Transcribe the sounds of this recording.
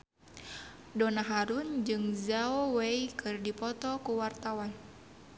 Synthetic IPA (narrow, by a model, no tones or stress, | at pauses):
dɔnaɦaɾund͡ʒɨŋzaɔwɛikʰɨrdipɔt̪ɔkuwart̪awan